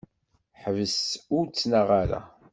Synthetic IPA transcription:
ħəvəsʊɾt͡sːnəʁaɾa̰

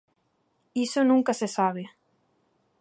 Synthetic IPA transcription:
isonũŋkasesaβ̞e

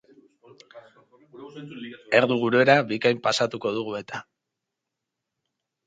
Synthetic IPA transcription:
e̞ɾðuɣuɾue̞ɾaβikajmpasat̪uko̞ð̞uɣue̞t̪ʰa

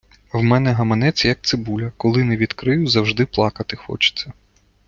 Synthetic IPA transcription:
wmɛnɛɦɐmɐnɛt͡sʲɐjɐk̚t̪sɪbulʲɐkɔlˠɪnɛʋʲid̪kɾɪjʊzɐwʒd̪ɪplˠɑkɐt̪ɪxɔ̰t͡ʃɪ̥t͡sʲːɐ

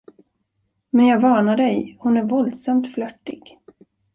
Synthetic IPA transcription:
mɛnjɑːɡvɑːnaɖɛjhʊnæɾvɔld̪samt̪flœʈːɪ̰ɡ̥

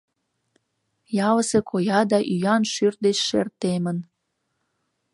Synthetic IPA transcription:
jɑləsekʰojɑd̪ɑʔyjɑnʃyr̚d̪et͡ɕʃḛrt̪emən

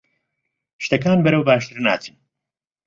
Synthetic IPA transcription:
ʃt̪ɐkaːnbɐɾɐwbaːʃt̪ɨɾna̰ːt͡sʰiːn

